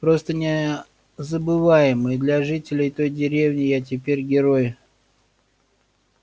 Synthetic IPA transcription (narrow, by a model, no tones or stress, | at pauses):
pɾo̞st̪ənʲɪ | zəbɨvajɪmɨjd̪lʲaʐɨtʲɪlʲɪjt̪o̞jdʲɪɾʲevnʲɪjatʲɪpʲeɾʲɡʲɪɾo̞j